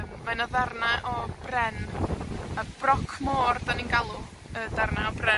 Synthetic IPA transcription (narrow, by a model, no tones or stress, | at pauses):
mmanɔðarnaʔɔb̥rɛn | əb̥rɔkʰmoːrdaninɡalˠu | ədarnaɔbrɛ